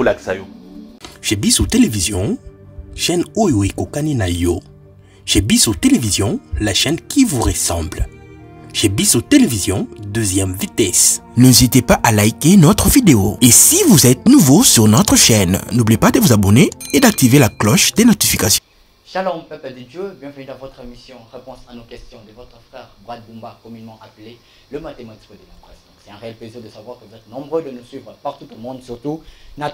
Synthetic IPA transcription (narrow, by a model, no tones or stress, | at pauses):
laksa | ʒ̥ebisot̪elevizjɔ̃ | ʃɛnojoekokaninajo | ʒ̥ebisot̪elevizjɔ̃laʃɛnkʰivuʁesɑ̃bl | ʒ̥ebisot̪elevizjɔ̃d̪øzjɛmvit̪ɛsnezit̪epaʔalajkenɔt̪χəvid̪eoesivuzɛt̪̚nuvosyʁnɔt̪χəʃɛnnublijepad̪əvuzabɔneed̪ak̚t̪ivelaklɔʃd̪enɔt̪ifikasjɔ̃ | ʃalɔmpɛpəd̪əd̪jøbjɛ̃vənyd̪ɑ̃vɔt̪χemisjɔ̃ʁepɔ̃sanokɛst̪jɔ̃d̪əvɔt̪χəfχɛːʁbʁad̪̚bũmbakɔmynemɑ̃ʔaple | ləmat̪emat̪i̥kəd̪emɔ̃kχɛs | sɛt̪ɛ̃ʁeɛlpleziʁd̪əsavwaʁkəvuzɛt̪nɔ̃bʁød̪ənusɥivʁəpaʁt̪ut̪umɔ̃d̪syʁt̪una